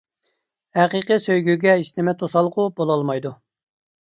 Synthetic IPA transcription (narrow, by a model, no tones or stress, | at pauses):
hæqiqɨsøjɡʲyɡʲɛiʃnɪmɛt̪ʰosɑlˠːqʊbolˠɑlˠmɑjd̪u